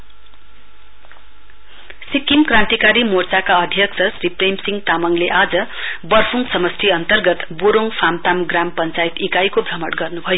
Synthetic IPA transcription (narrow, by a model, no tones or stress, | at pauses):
sikːimkrãnt̪ikaɾimort͡sakaʌd̪ʱjʌksʰʌsriprejmsiŋɡt̪amʌŋleʔad͡zʌ | bʌrfʰuŋɡsʌmʌst̪ʰiʌnt̪ʌrɡʌt̪buɾoŋɡpʰamt̪amɡrampʌnt͡sajt̪ikajkobʱʌmʌʈɡʌrnubʱʌjo